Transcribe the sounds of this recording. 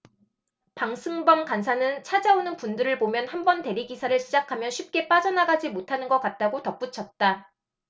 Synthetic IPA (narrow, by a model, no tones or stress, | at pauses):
paŋsʰɯŋbʌmkans̬ʰanɯnt͡ɕʰad͡ʑaonɯnpundɯɾɯɭpomjʌnhambʌnte̞ɾiɡisʰaɾɯɭɕʰid͡ʑakʰamjʌnɕʰɥip̚k͈e̞p͈ad͡ʑʌnaɡad͡ʑimotʰanɯnɡʌk͈at̚t͈aɡotʌp͈ut͡ɕʰʌt̚t͈a